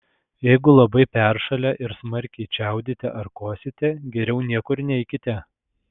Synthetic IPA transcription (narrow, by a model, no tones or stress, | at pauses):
jɛɪɡʊlˠɐbɐɪpʲæɾʃɐlʲɛʔɪɾsmɐɾʲkʲɛɪt͡ʃʲɛˑʊd̪ʲɪt̪ʲɛ̰ʔɐɾkoːsʲɪt̪ʲɛɡʲɛɾʲɛʊnʲiɛkʊɾnʲɛɪkʲɪt̪ʲɛ